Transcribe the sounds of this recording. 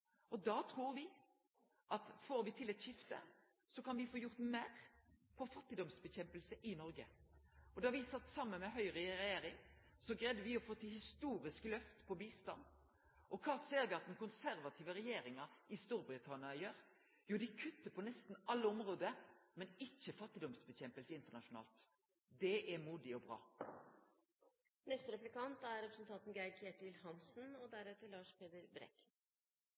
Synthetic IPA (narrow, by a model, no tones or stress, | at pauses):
ɔd̪ɑːt̪ʰʁuːɾʋɪ | ʔɑt̪foːɾʋɪt̪ʰɪlɛt̪ɕɪft̪ə̰ | sɔkɑnʋɪfoːjʊʁt̪meːʁpʰɔfɑt̪ːɪd̪ɔmsbɛçɛmpəlsəʔɪnɔɾɡəɔd̪ɑʋɪsɑt̪ːsɑmːənmɛɦœʏʁɛɾɛjeːɾɪŋ | sɔɡɾɛd̪əʋɪɔfoːt̪ʰɪlhɪst̪uːɾɪsklœft̪pʰɔbiːst̪ɑ̰n | ʔɔkʰɑːseːɾʋɪɑt̪̚d̪ɛnkʊnsæɾʋɑt̪ʰiːʋəɾɛjeːɾɪŋɑɪst̪uːɾbɾɪt̪ʰɑnɪɑjøːɾ | juːd̪ɪkʰʉt̪ːəpʰɔnɛst̪nɑlːəɔmʁoːd̪əmɛnɪçːəfɑt̪ːɪd̪ɔmsbəçɛmpəlsəɪnt̪əɳɑʂʊnɑ̰ːlt̪ | d̪ɛʔæmuːd̪ɪɔbʁɑ̰ː | nɛst̪əɾɛplɪkɑnt̪æɾɾɛpɾəsn̩t̪ʰɑnt̪n̩ɡækʰeːt̪əʋɪlhɑnsn̩ɔd̪æɾøːt̪əɾlɑːʂpʰeːd̪əɾbɾɛ̰k